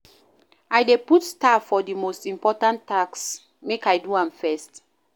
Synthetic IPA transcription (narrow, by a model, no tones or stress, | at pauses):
ajdeputstafɔdimostĩmpɔtãnʰaks | mekajduãmfɛst